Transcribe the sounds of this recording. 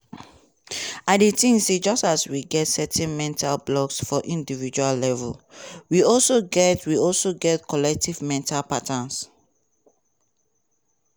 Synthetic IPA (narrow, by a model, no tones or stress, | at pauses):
aditĩnsid͡ʒɔstaswiɡɛtsɛtʰɛ̃nmɛ̃ntʰalblɔksfɔʔĩndivid͡ʒualːɛvɛ̰lwiɔlsoɡɛtwiɔlsoɡɛtkʰɔlɛk̚tivmɛ̃ntʰalpatãns